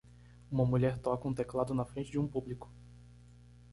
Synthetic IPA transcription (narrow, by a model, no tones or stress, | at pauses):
ũmɐmuʎɛɾt̪ɔkɐũt̪eklad̪ʊnɐfɾẽnt͡ʃɪd͡ʒɪũpublikʊ̥